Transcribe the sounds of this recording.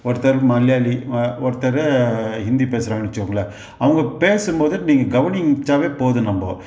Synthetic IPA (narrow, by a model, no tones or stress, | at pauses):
ɔɾɯt̪ɐɾmɐljaːliɔɾɯt̪ɐɾɐɦɪnd̪ipeːsɪɾaːmɐnɯt͡ʃːɯʋɯŋɡɐɭɐ | ɐʋɐŋɡɐpeːsɯmboːðɯniːŋɡɐɡɐʋɐnɪŋt͡ʃaːʋeːpoːðɯnɐmbo̰ː